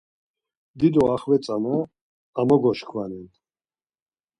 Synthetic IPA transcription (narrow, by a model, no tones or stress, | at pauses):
d̪id̪ɔaχvɛt͡s̪ʼanɔ | amɔɡɔʃχʰwanɛn